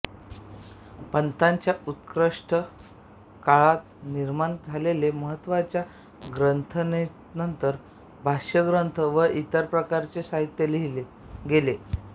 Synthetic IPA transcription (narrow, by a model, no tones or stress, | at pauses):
pənt̪aɲt͡ɕjaut̪kɾəʂʈʰə | kaɭat̪niɾmaɳd͡zʱaleleməɦət̪ːʋat͡ɕja | ɡɾənt̪ʰəne | nənt̪əɾ | bʱaɕjəɡɾənt̪ʰəʋəʔit̪əɾpɾəkaɾt͡sesaɦit̪jəli | ɡele